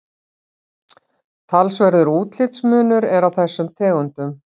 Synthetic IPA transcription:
t̪ʰalsvɛɾðʏɾuːt̪l̥ɪt̪smʏːnʏɾɛɾawθɛsːʏmt̪ʰɛːɣʏnt̪ʏm

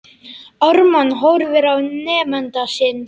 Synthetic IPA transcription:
ɔɾmanɦowɾvɪɾawnɛːmɛnt̪asɪn

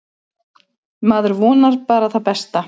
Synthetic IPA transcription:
maːðʏɾvɔːnaɾ̥paːɾaθawpɛst̪a

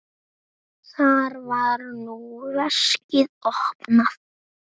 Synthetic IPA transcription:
θaɾvaɾnuɾaʂcɪðɔhpnaθ

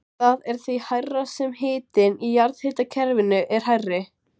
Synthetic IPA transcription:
θaðɛɾ̥θihajrːasɛmɦeːt̪ɪnijaɾðhɪt̪acʰɛɾvɪnʏʔɛɾ̥hajrːɪ

